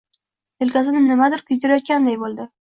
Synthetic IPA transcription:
elkʲas̬ɪnɪnɪmad̪ɪɾkʰʊjt̪ɪɾajɒt̪̚kʲand̪ajbolˠd̪ɪ

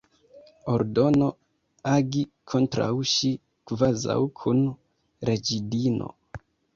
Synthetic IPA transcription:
oɾdo̞no̞ | aɡikʰontɾa̰wʃi | kvaza̰wkʰun | ɾed͡ʒidinʔo̞̰

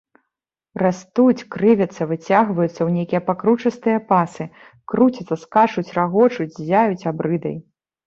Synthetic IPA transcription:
rast̪ut͡sʲkɾɨvʲɐt̪sːɐvɨt͡sʲaɣvɐjut̪sːɐwnʲejkʲijɐpakɾut͡ʂɐst̪ɨjɐpasɨ | kɾut͡sʲɐt̪sːɐskat͡ʂut͡sʲraɣɔt͡ʂut͡sʲzʲajut͡sʲabɾɨd̪ɐ̰j

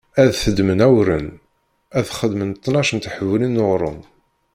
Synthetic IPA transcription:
æðθəd̪mənæwɾən | æðχəd̪mənt̪ˤːnɑʃənt̪ħəvlinːoʁɾˤʊm

